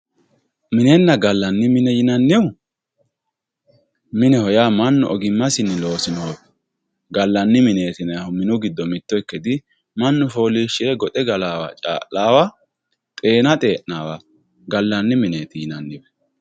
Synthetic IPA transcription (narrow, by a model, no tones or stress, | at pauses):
mɪnɛnːɐɡɐlːɐnːɪmɪnɛjɪnɐnːɪw | mɪnɛhɔjaːmɐnːʊ̰ʔɔɡɪmːɐsɪnːɪlo̞ːsɪnoːbɛ̥ | ɡɐlːɐnːɪmɪneːt̪ɪnɛɐhʊmɪnʊɡɪd̪ːɔmɪt̪ːɔɛkːɛd̪ɪ | mɐnːʊfo̞ːliːʃɪɛɡɔt̪ʼɛɡɐlaːwɐ̰t͡ʃʼa̰ːʔaːwɐ | t̪ʼe̞ːnɐt̪ʼe̞ːʔnaːwɐ | ɡɐlːɐnːɪmɪneːt̪ɪjɪnɐnːɪbɛ̥